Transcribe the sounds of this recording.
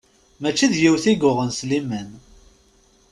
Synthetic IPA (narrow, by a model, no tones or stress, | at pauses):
mæt͡ʃːiðjiwθiɡʊʁənslimən